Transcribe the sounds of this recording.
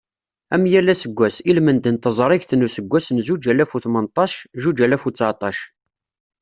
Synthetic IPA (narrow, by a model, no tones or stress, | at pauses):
æmjælːæsəɡʷːæsilmənd̪ənt̪əzˤɾˤiʝθnusəɡʷːæsnzud͡ʒælæfuθmənt̪ˤɑʃʒud͡ʒælæfut͡sːʕt̪ˤɑʃ